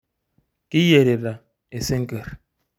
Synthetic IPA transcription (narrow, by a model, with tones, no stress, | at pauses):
ki˦je˨ɾe˨ɾa˨ | e˨se˦ŋ̩˦ke˨ɾ